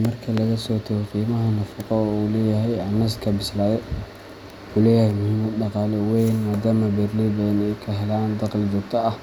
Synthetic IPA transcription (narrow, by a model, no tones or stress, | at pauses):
mɐrkʰɐlɐɣɐsɔːt̪ʰɛɣɛqiːmɐɦɐnɐfɑqɔuːlɛːjɐɦɛjɐnːɐskʰɐbɪslaːðɛj | ħuːlɛːjhɛjmʊhimɐd̪ɖɑqɑːlɛwɛjnmaːd̪aːmɐbɛrlibɐðɐnɛjkʰɐɦɛlaːnd̪ɑqlɪd͡ʒɔːɡ̚t̪ʰɐɐh